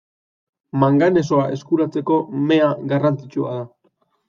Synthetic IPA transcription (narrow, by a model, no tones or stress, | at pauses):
maŋɡane̞s̬o̞aʔe̞skuɾat͡se̞ko̞me̞aɡarant͡sit͡ʃua̰ða